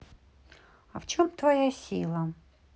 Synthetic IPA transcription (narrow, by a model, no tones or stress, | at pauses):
ɐft͡ɕomt̪vɐjasʲilˠɐ